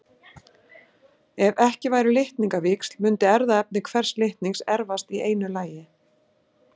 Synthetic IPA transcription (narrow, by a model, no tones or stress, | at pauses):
ɛvɛhcɪvaːjɾɪlɪht̪niŋkavɪkslmʏnt̪ɪɛɾðaɛp̚nɪkʰv̥ɛr̥slɪht̪niŋksɛɾvast̪ieːjnʏlaːjɪ